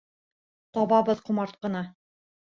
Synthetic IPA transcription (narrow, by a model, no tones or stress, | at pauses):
t̪ɒbɑbɤðqŭmɑɾt̪̚qɤ̆nɑ